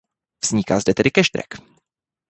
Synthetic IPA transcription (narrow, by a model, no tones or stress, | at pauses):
vz̥ɲɪka̰zdɛt̪ɛdɪkɛʃd̪ɾɛ̰k